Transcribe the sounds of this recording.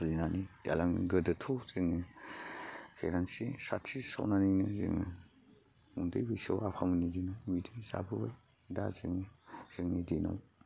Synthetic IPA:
linanija̰laŋ̰ɡədɯtʰɔzɯŋɯ | pʰeɾansisatʰisa̰wnaninɯzɯ̰ŋɯ | uŋdɯjbɯjsawapʰamɯnidinawmidijza̰bɯbaj | da̰zɯŋnɯz̥ɯŋnidina̰w

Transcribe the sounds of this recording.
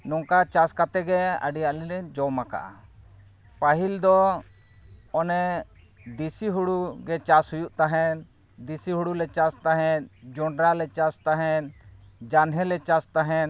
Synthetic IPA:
nɔŋkat͡ʃaskat̪ɛɡɛa̰ɖijaʔliɾɛd͡ʒɔmaka̰ʔa̰ | paɦild̪ɔ | ɔnɛ | d̪isiɦuɽuɡɛt͡ʃashujuʔt̪aɦɛn | d̪isiɦuɽulɛt͡ʃast̪aɦɛ̃nd͡ʒɔɳɖɾalɛt͡ʃast̪aɦɛn | d͡ʒanɦɛlɛt͡ʃast̪aɦɛn

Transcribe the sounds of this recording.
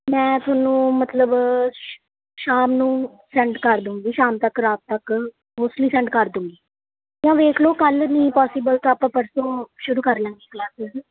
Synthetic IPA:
mɛ̃ːt̪ʊaːnːũːmət̪ləb | ʃaːmnũː | sɛ̃ɳʈkəɾd̪ũːŋɡiːʃaːmt̪əkɾaːt̪̚t̪ək | ɦoːsʈliːsɛ̃ɳɖkəɾd̪ũːŋɡiː | jãːʋeːkʰloːkəlnĩːpɔːsɪbəlt̪õːaːpãːpəɾsõːʃʊɾuːkəɾlə̃ːŋɡiːklaːsɪz

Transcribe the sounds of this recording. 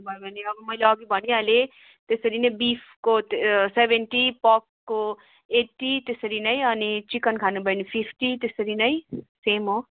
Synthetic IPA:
bʱʌjebʱʌneʌbʌmʌjleʌɡibʱʌniale | t̪esʌɾinʌibipʰkot̪sebʱeɳʈipɔkːo | eʈːit̪esʌɾinʌĩʌnit͡ʃikʌnkʰanubʌjnipʰipʰʈit̪esʌɾinʌisemo

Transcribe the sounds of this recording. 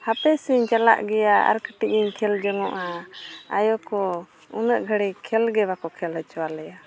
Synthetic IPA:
hapɛsiɲt͡ʃala̰ʔɡɛjaə̰ɾkəʈiʔiɲkʰɛld͡ʒɔŋɔʔaajɔkɔ | unəʔɡʱəɽɛkʰɛlɡɛβakɔkʰɛlɛt͡ʃɔwalɛja

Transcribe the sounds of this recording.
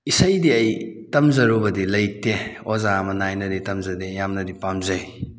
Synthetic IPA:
isɐjdiɐjtɐmzɐɾubɐdilɐjteozamɐnajnɐditɐmzɐdejamnɐdipamzɐj

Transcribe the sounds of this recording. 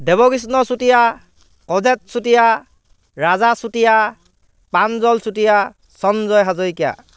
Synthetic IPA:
dɛbɔkis̬nɔsutija | kɔzɛt̚sutija | ɹazasutija | panzɔlsutija | sɔnzɔjɦazɔjkija̰

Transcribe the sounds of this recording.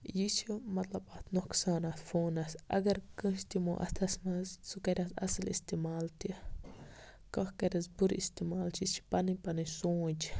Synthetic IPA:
jiʃumat̪lapʼat̪noksanafonasʔa̰ɡaɾkə̃ʃt̪imoʔa̰st̪ʰasmassukaɾʲasa̰salist̪imalt̪i | kahkaɾʲasbuɾʔist̪imalt͡ʃit͡ʃi̥panipanisut͡ʃ

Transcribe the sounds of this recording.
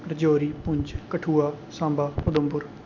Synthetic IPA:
ɾəd͡ʒoːɾiːpʊ̃ɲd͡ʒkəʈʰuːaːsãːmbaːpʊd̪əmbʊɾ

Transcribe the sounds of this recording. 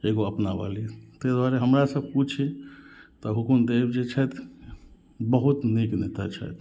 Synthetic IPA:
eɡoəpnaba̰lit̪ed̪waɾeɦəmɾasəb̚ʱkut͡ʃʰit̪ɔɦukund̪ebd͡ʒet͡ʃʰɛt̪ | bəɦut̪niknet̪at͡ʃʰə̰t̪

